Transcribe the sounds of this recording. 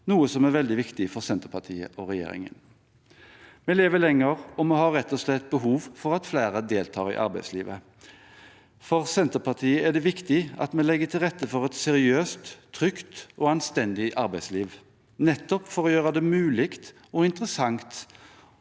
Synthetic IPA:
nuːəsɔmæɾʋɛld̪ɪʋɪkt̪ɪfɔɾsɛnt̪əpʰɑt̪ʰḭːə̰ʔɔɾɛjḛːɾɪ̰ŋə̰n | mɛleːʋəlɛŋːəɾɔmɛɦɑɾːɛt̪ːɔslɛt̪ːbəɦuːʋfɔɾɑt̪flæːɾəd̪eːlt̪ʰɑːɾɪ̰ʔɑ̰ɾbæɪsliːʋə | fɔʁsɛnt̪əɾpʰɑʁt̪ʰiːəæd̪ɛʋɪkt̪ɪɑ̰t̪mɛlɛɡːət̪ʰɪlʁɛt̪ːəfɔʁɛt̪sɛɾɪøːst̪ʰːɾʏkt̪ɔːɑnst̪ɛnd̪ɪʔɑɾbæɪsliːʋ | nɛt̪ːɔpfɔɾɔjøːɾəd̪ɛmʉːlɪkt̪ | ɔɪnt̪əɾəsɑŋt̪

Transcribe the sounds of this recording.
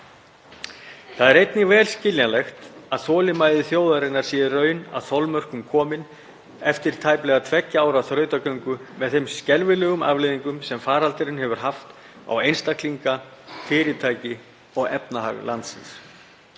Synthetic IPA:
θaðɛɾejt̪nɪvɛːlscɪljalɛxt̪aðθɔːlɪmaːjðɪθjoːwðaɾɪnːaɾ̥sɛːðɪrœːɥna̰ðθɔwlmœr̥kʏmkʰɔːmɪn | ɛft̪ɪɾ̥t̪ʰaːjplɛːɣat̪ʰvɛcːaaːwɾaθɾœːɥt̪akœɥŋkʏmɛðθejmscɛlvɪlɛːɣʏma̰vlɪðiŋkʏmsɛmfaːɾalt̪ɪɾɪnhɛvʏɾ̥ɦaft̪ | a̰wejnst̪akʰliŋkafɪːɾɪt̪ʰaːjcɪ | ɔɣɛpnaɦa̰ɣla̰nt̪sɪns

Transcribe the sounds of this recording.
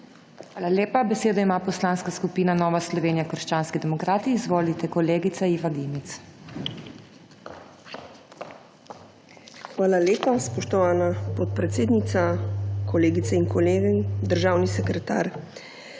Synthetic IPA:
xʋaːlaljeːpabɛseːd̪ɔimaːpɔslaːnskaskupiːnanɔːʋaslɔʋeːnijakəɾʃt͡ʃaːnskid̪ɛmɔkɾaːt̪iːzʋoːlit̪ɛkɔleːɡit̪saiːʋaɡ̪imit̪s | xʋaːlaleːpaspɔʃt̪ɔʋaːnapɔt̪̚pɾɛt̪seːd̪nit̪sakɔleːɡit̪ɛiŋkɔleːɡɛd̪əɾʒaːwnisɛkɾɛt̪a̰ːɾ

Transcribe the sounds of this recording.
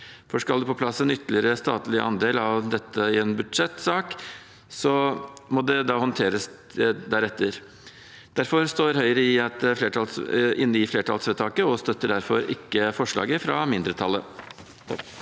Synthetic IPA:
fɔʂkɑld̪ʉpɔpʰlɑsːɛnʏt̪ːəlɪəɾəst̪ɑːt̪lɪʔɑ̰nd̪eːlɑʋd̪ɛt̪ːəɪɛnbʉd̪ʂɛt̪ːsɑːk | sɔmɔd̪ɛd̪ɑːhɔnt̪ʰeːɾəs | d̪æɾɛt̪ʰːəɾ | d̪̥æɾfɔɾst̪oːɾhœʏəɾəɪɑt̪̚ɛfleːʈʰɑlsɪnːəɪfleːʈʰɑlsʋeːt̪ʰɑːkəɔst̪œt̪ːəɖæɾfɔɾɪ̰kːəfɔʂɭɑ̰ːɡəfɾɑ̰mɪnd̪ɾət̪ʰɑlːə

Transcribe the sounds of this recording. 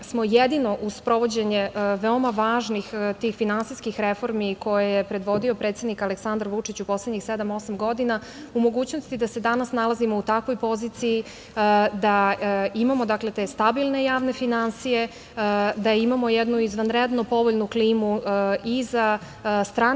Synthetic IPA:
smo̞jed̪ino̞ʔuzpɾo̞ʋo̞d͡ʑeɲe̞ʋeo̞maʋaːʒnixt̪iːxfinansiskixɾe̞fo̞ɾmiko̞jejepɾe̞d̪ʋo̞d̪io̞pɾet̪sed̪nikaleksand̪ɾʋut͡ʂit͡ɕupo̞slˠedɲixsed̪amo̞samɡo̞d̪ina | umo̞ɡuːt͡ɕnost̪id̪ase̞d̪anasnalˠazimo̞ut̪akʋo̞jpo̞ziːt̪siji | d̪aimamo̞d̪akle̞t̪e̞ːst̪abilˠne̞jaːʋne̞finansije̞ | d̪aimamo̞jed̪nuizʋanɾed̪no̞po̞ʋoʎnukliːmuiza | st̪ɾaː

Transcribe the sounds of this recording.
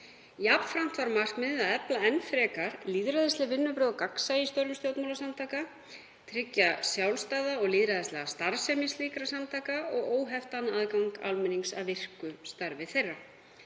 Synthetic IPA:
japfɾam̥t̪vaɾmar̥kmɪðɪðaðɛplaɛnfɾɛːkaɾ̥liːðɾaðɪst̪ɪvɪnːʏpɾœːðkaksaist̪ɔɾvʏmst̪jowt̪mawlasamt̪ʰaːka | t̪ʰɾɪcːasjawlst̪aːðaɔɣliːðɾaðɪst̪lɛɣast̪aɾ̥sɛmɪsliːkɾasamt̪ʰaːkaɔɣoːwɦɛft̪anaðkawŋka̰lmɪniŋsa̰ðvɪr̥kʏst̪aɾvɪθejrːa

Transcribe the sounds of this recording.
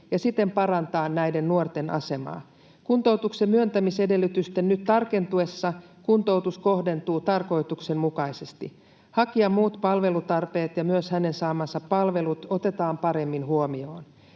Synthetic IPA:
jɑsit̪ːempɑɾɑnt̪ɑːnnæjde̞nːnuort̪e̞nʔɑ̰se̞mɑ̰ː | kunt̪o̞wt̪uksemyønt̪æmise̞de̞lːyt̪yst̪ennyt̪t̪ːɑrke̞nt̪ue̞sːɑkunt̪o̞wt̪usko̞ɦde̞nt̪uːt̪ɑrko̞it̪ukse̞mmukɑjsest̪i | hɑkiɑmmuːt̪pɑlʋe̞lut̪ɑrpe̞ːt̪jɑmyøshæne̞nsɑːmɑsɑpːɑlʋe̞lut̪o̞t̪e̞t̪ɑːmpɑɾe̞mːinhuomio̞ːn

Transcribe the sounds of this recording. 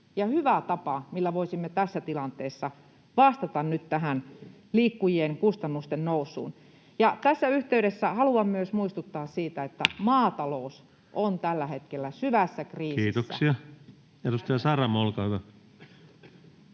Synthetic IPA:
jɑhyʋæt̪ɑpɑmilːæʋoisimːet̪æsːæt̪ilɑnt̪eːsːɑ | ʋɑst̪ɑt̪ɑnnyt̪tæɦæn | liːkːujieŋkust̪ɑnːust̪ennousˑṵːn | jɑt̪æsːæyht̪eyɾesːæhɑluɑmmyøsmuist̪ut̪ːɑːssiːt̪æet̪ːæmɑːt̪ɑlous | ʔont̪ælːæhet̪kelːæsyʋæsːækriːkːsiːt̪oskssiɑ | jɑt̪ost̪jɑsɑrɑmolkɑːt̪ɑ

